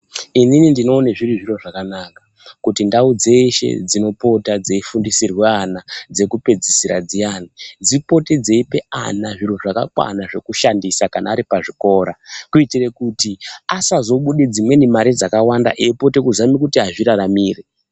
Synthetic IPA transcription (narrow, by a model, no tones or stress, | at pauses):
ininindino̞ːneʐiriʐiro̞ʐakanakḁ | kutindaud͡ze̞ʃe̞̰d͡zino̞po̞tad͡zeifundisirweanad͡ze̞kupe̞d͡zisiɾad͡zijaːnid͡zipo̞te̞d͡ze̞ipe̞a̰naʐiroʐaka̰kwa̰naʐe̞kuʃandisakanaːɾipaʐiko̞ːɾakuitire̞kutiasazo̞ɓuɗed͡zimwe̞nimaɾid͡zakawanda̰ʔeipo̞te̞kuzamikutiɦaʐiɾaramiːre